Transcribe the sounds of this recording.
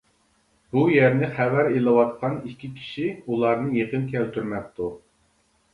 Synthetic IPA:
b̥ujɛɾnɪχævæɾelˠɨwɑt̪̚qʰɑnikʲʰːikʲʰi̥ʃiulˠɑɾnɨjeqənkʲʰɛlt̪yɾmɛk̚ʲt̪ʰu

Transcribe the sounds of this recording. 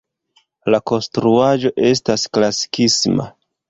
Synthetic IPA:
lako̞nstɾuad͡ʒo̞ʔe̞s̬tasklasi̥kisma̰

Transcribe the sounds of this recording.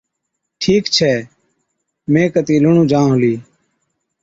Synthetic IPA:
ʈʰiːkt͡ʃʰɛː | mẽːkət̪iːləɳ̃ũːd͡ʒãːõːliː

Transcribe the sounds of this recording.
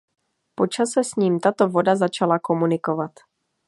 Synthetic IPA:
po̞t͡ʃasɛsɲiːmt̪at̪o̞vo̞dazat͡ʃalako̞munɪko̞vat̪

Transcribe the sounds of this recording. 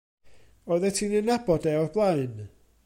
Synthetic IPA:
ɔðɛtʰinɨnabɔdɛɔrblˠajn

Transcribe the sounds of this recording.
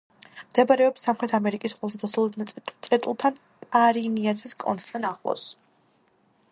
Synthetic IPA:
md̪̥ɛbaɾɛɔpsamχɾɛt̪ʰamɛɾikʼisqʼɛlˠsad̪asɔlˠud̪nt̪sʼɛt̪ʼulˠt̪ʰan | pʼaɾiniasʰiskʼɔ̰nt̪ʼt̪ʰanaχlˠɔ̰s

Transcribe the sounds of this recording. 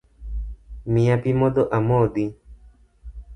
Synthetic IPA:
mĩapimod̪oʔamod̪i

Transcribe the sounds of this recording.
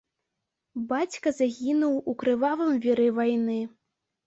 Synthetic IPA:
bat͡sʲkɐzaɣʲinuwukɾɨvavɨmvʲiɾɛvajnɨ

